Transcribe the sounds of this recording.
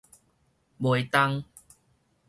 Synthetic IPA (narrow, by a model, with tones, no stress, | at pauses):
bwo˨˩jt̪a˦˧ŋ